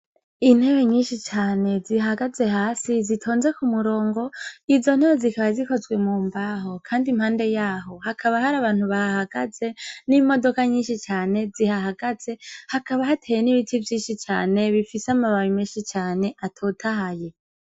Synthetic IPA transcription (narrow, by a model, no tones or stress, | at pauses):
in̥he̞weɲiːnʃit͡ʃaːne̞zihaɡaze̞ɦaːsizitʰo̞ːnze̞kumuɾo̞ːŋɡo̞izo̞n̥heβezikaβaziko̞zɡwe̞muːmbaɦo̞kʰaːndimhaːnde̞jaːɦo̞hakʰaβahaɾaβaːn̥uβahahaɡ̥aze̞nimo̞do̞kaɲiːnʃit͡ʃaːne̞zihaɦaɡ̥az̥e̞hakaβahatʰejeniβitʰivjiːnʃit͡ʃa̰ːne̞βifisamaβawimiːnʃit͡ʃaːne̞ʔatʰoːtʰaɦaje̞